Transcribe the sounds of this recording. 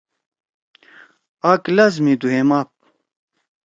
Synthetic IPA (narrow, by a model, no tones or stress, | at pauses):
ɐklɐzmid̪uɦemaːp̚